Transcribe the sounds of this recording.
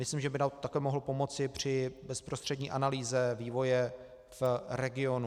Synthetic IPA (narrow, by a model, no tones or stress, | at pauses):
mɪslimʒɛbɪnat̪akɛːmo̞ɦlopo̞mo̞t͡sɪpr̝̥ɪbɛspɾost̪r̥ɛdɲiːʔanaliːzɛviːvo̞jɛ | fɾɛɡɪo̞nu